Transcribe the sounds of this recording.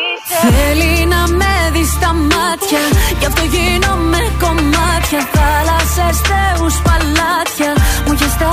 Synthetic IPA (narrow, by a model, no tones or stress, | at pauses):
felinameðist̪amat̪jajaft̪oʝinomekommat̪jaθalasest̪euspalat̪jamuʝest̪a